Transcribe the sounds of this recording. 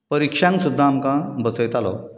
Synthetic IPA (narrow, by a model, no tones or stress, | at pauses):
pəɾikʂãŋksud̪ʱːaːmkãbət͡səjt̪alɔ̰